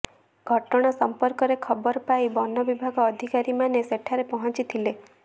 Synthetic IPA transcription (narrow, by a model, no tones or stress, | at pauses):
ɡʱɔʈɔɽ̃ɔsɔmpɔɾkɔɾekʰɔbɔɾɔpajbɔnɔbibʱaɡɔːd̪ʱikaɾimaneseʈʰaɾepɔɦɔ̃nt͡ʃit̪ʰile